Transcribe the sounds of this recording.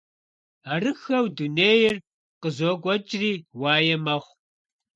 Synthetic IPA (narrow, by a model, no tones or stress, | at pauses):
arɨxɐwduneːjɪr | qəzoːkʷʼɔt͡ʃʼriːwaːjɐmɐʁʷ